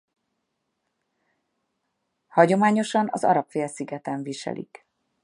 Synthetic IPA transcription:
hɒɟo̞maːɲo̞ʃɒnɒzɒ̰ɾɒpfeːlsiɡɛt̪ɛɱviʃɛ̰lʔḭk

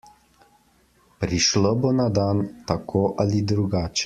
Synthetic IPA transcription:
pɾiʃlɔbonad̪aːnt̪akʰoːʔalid̪ɾuɡaːt͡ʃɛ̥

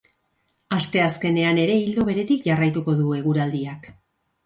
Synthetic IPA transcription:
ast̪e̞aske̞ne̞ane̞ɾe̞ild̪o̞βe̞ɾe̞t̪ikʝarajt̪uko̞ðue̞ɣ̞uɾald̪iak

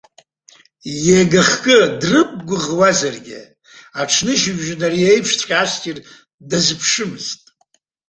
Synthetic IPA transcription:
jeɡaχkʼɨdrɨp̚ʼɡʷʊʁwazarɡʲɪ̰ | aʈ͡ʂʰnɨʃɪʒʲᶣʒᶣɪnariejpʰʂt͡sʷʰʼχʲaaskʲʼir | dazɨpʰʂɨmɨztʼ

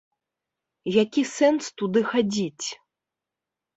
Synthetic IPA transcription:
jakʲisɛnst̪ud̪ɨxad͡zʲit͡sʲ

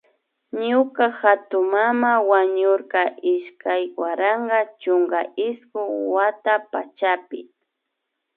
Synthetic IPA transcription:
ɲʊkaxat̪ʊmamawaɲʊɾqɑʔɪʃkʰajwaɾɑɴɢɑt͡ʃʊŋɡaɪskʊwat̪apa̰t͡ʃapɪ

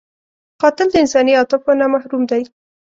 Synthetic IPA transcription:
qɑt̪ɪld̪əɪnsɑniɑt̪ɪfonamahɾumd̪aj

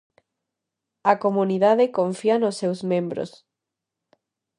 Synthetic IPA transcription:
ɐkomuniðaðɪkoɱfianosːewzmẽmbɾo̰s

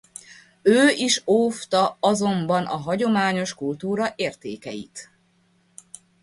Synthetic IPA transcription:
øːiʃoːft̪ɒɒzo̞mbɒnɒɦɒɟo̞maːɲo̞ʃkult̪uːɾɒʔeːrt̪ḛːkɛjḭt̪

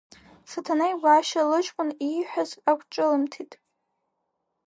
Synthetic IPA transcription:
satʰanajɡʷaːʃalɨt͡ʃʼkʷʼʊniħʷᶣazakʷʰʼt͡ʃʼɨlɨmtʰitʼ

